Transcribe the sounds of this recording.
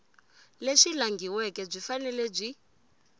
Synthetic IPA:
leʂilaŋɡiwɛkʼɛb͡ʐʷifanɛlɛb͡ʐʷi

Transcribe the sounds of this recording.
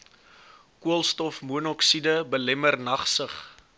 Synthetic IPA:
kuəlˠstɔfmuənɔksidəbəlɛmərnɐχsəχ

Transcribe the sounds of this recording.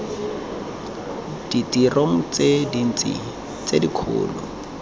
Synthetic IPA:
d̥itirʔoŋ̩t͡sedin̩t͡sḭ | t͡sedikʰʊ̰ːlʊ

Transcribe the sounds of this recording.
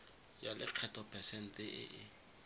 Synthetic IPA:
jalʔɪ̰q͡χʰɛtʰʼɔpʰɛsɛn̩tʼɪʔɪ̰ʔɪ

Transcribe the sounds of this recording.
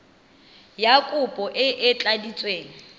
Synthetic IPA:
jakʼʊpʼɔʔɪʔɪt͡ɬʼadit͡sʼweːŋ̩

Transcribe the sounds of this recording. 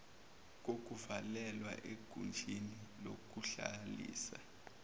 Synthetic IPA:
k̬ok̬uvalɛlwa̰ʔeɡ̥ʱund͡ʒʱinilok̬uɬalḭːsa

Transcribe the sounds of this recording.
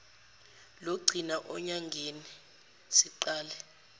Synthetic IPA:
loɡ͡ǀʱinaʔɔɲaŋɡʱeni | siǃaːlɛ

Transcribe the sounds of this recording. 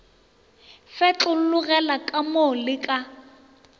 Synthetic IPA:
fɛt͡ɬʊl̩lʊɣɛlakʼamolɪkʼa

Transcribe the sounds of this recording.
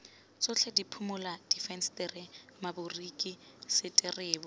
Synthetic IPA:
t͡sʼʊt͡ɬʰɛdipʰʊmʊlad̥ifɛnstʼɪrɪmabʊrikʼi | sɪtʼɪreːbɔ

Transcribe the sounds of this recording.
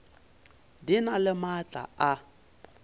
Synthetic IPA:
dinalɪmat͡ɬʼa̰a

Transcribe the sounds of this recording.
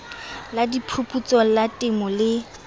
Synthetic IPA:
ladipʰupʰʼut͡sʼɔlatʼɪmɔlɪ

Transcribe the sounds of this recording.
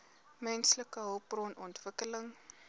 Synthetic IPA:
mɛnsləkəɦəwprɔnɔntvəkələŋ

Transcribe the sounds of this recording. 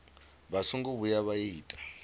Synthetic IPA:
βasuŋɡuβujaβajiːtʼḁ

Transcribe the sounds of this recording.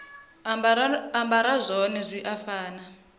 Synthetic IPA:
ambaɾazʷɔnɛzʷiʔafaːna

